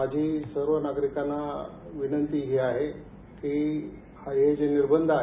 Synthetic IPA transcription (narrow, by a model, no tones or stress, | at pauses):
ad͡ʑʱiːsəɾʋənaɡɾikana | ʋinənt̪iːɦiaɦe | kiː | haɦed͡ʑeniɾbənd̪ʱaɦ